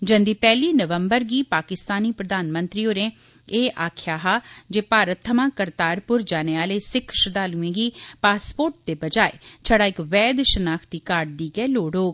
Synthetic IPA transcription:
d͡ʒə̃nd̪iːpɛːliːnəʋəmbəɾɡiːpaːkɪst̪aːniːpɾəd̪aːnmənt̪ɾiːoːɾẽː | eːʔaːkʰjaːɦaːd͡ʒeːpaːɾət̪ʰːəmãːkəɾt̪aːɾpʊɾd͡ʒaːneːaːleːsɪkʰʃəd̪aːlũẽːɡiːpaːspoːɾʈ̚d̪eːbəd͡ʒaːḛt͡ʃʰəɽaːɪkʋɛːd̪ʃənaːkʰt̪iːkaːɾɖ̚d̪iːɡɛːloːɽoːɡ

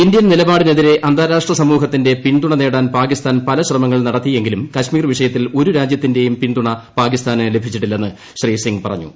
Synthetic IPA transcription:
indijɐnnilɐbaːɽine̞ðiɾe̞ʔɐnd̪ʱaːɾaːʂʈrɐsɐmuːɦɐt̪ːinde̞piɳd̪uɳɐne̞ːɽaːnpaːkist̪ʰaːnpɐlɐɕrɐmɐŋːɐɭnɐɽɐt̪ːije̞ŋɡilumkɐɕmiːrʋiʂɐjɐt̪ːilo̞ɾuɾaːd͡ʑjɐt̪ːinde̞jumpiɳd̪uɳɐpaːkist̪ʰaːnɨle̞bʱit͡ɕːiʈːilːenːɨ | ɕriːsiŋɡpɐrɐɲːṵ

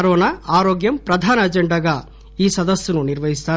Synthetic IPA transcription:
ɾɔːnaaːɾoːɡjɐmpɾɐd̪ʱaːnɐɐd͡ʒɐɳɖɐɡɐ | iːsɐd̪ɐsjununiɾʋɐɦist̪aː

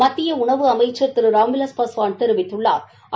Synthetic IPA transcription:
mɐt̪ːɪjɐʊɳɐʋɯɐmɐjt͡ʃːɐɾt̪ɪɾɯɾaːmɪlɐspɐsʋaːnt̪ɛɾɯʋɪt̪ːɯɭːa̰ːɾ

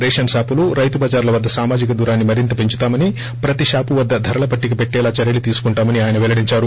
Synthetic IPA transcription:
ɾeːʃɐnsaːpuluɾɐjt̪ubɐːd͡ʒaːɾlɐʋɐd̪ːɐsaːmaːd͡ʒikɐd̪uːɾaːnːimɐɾint̪ɐpeɲt͡ʃu̥t̪aːmɐni | pɾɐt̪iʃaːpuʋɐd̪ːɐd̪ʱɐɾɐlɐpɐʈːik̬ipeʈːɛːlaːt͡ʃɐɾjɐlit̪iːsu̥kuɳʈaːmɐniaːjɐnɐʋɛlɐɽiɲt͡ʃaːɾu

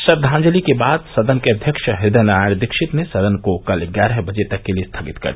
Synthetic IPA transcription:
sɐb̚d̪ʱãːɲd͡ʒəlikebaːd̪sɐd̪ənkeɐd̪ʱjəkʃɦɪd̪ənaːjəɽ̃d̪ɪkʃɪt̪nesɐd̪ənkokɐlɡjaːɾɛɦbɐd͡ʒet̪ɐkːeliest̪ʰaːɡɪt̪kɐ̰ɾd̪

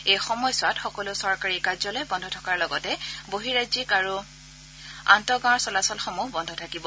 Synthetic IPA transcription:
ejxɔmɔjsʊwatxɔkɔlʊsɔɹkaɹikazɔlɔjbɔndʱɔtʰɔkaɹlɔɡɔtɛboɦiɹazikaɹu | a̰ntɔɡãɔɹsɔlasɔlxɔmuɦbɔndʱɔtʰakibɔ

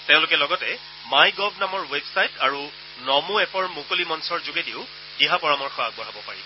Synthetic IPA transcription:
tẽʊ̃lʊkɛlɔɡɔtɛ | majɡɔb̚namɔɹwebsajtaɹu | nɔmuɛpɔɹmukolimɔnsɔɹzuɡediʊ | d̥iɦapɔɹamɔɹxɔa̰ɡ̚bɔɹabɔpaɹḭ

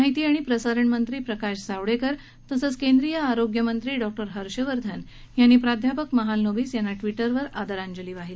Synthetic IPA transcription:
aɦit̪iːaɽ̃ipɾəsaɾəɳmənt̪ɾiːpɾəkaɕd͡zaʋɽekəɾ | t̪əsət͡skend̪ɾijəaɾoɡjəmənt̪ɾiːɖɔk̚ʈəɾɦəɾɕəʋəɾd̪ʱən | janːiːpɾad̪ʱjapəkməɦalnobiːsjanːaʈʋiʈəɾʋəɾad̪əɾaɲd͡ʑəliːʋaɦil

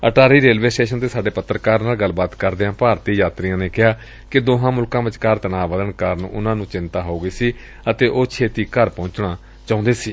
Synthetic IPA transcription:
əʈaːɾiːɾeːlʋeːsʈeːʃənt̪eːsaːɖeːpət̪ːɾəkaːɾnaːlɡəlbaːt̪kəɾd̪eːãːpaːɾt̪iːjaːt̪ɾijãːneːkɪɦaː | kɪd̪oːɦãːmʊlkãːʋɪt͡ʃkaɾt̪ənaːʋəd̪ənkəɾənʊnãːnũːt͡ʃɪnt̪aːɦoːɡəiːsiː | ət̪eːʔoːt͡ʃʰeːt̪iːkəɾpɔ̃ːɲt͡ʃɳaː | t͡ʃãːʊ̃nd̪eːsiː

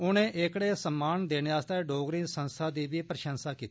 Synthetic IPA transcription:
ʊnẽːʔeːkɽeːsəmːaːnd̪eːneːaːst̪eːɖoːɡɾɪ̃nsənst̪ʰaːd̪iːʋiːpɾəʃənsaːkiːt̪i̥

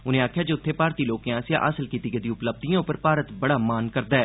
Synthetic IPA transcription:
ʊnẽːaːkʰjaːd͡ʒeːʊt̪ʰːeːpaːɾt̪iːloːkjãːsjã̰ːʔə̰səlkiːt̪iːɡəd̪iːʊpləb̚d̪ijãːʊpəɾpaːɾət̪bəɽaːmaːnkəɾd̪aːɛː

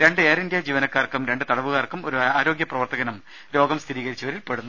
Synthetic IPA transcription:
ɾe̞ɳɖɨeːɾind̪jad͡ʑiːʋɐnɐkːaːrkːumɾe̞ɳɖɨt̪ɐɽɐʋuɣaːrkːumoɾuaːɾo̞ːɡjɐprɐʋɐrt̪ʰɐɣɐnum | ɾo̞ːɡɐmst̪ʰiɾiːɣɐɾit͡ɕːɐʋɐɾilpe̞ɽunːu

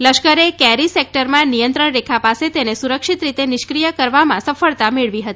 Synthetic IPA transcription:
ləʃkəɾekɛɾisek̚ʈəɾmãnijənt̪ɾəɳɾekʰapaset̪enesuɾəkʃit̪ɾit̪enɪʃkɾijəkəɾʋamã̰səfəɭt̪ameɭʋiɦət̪i

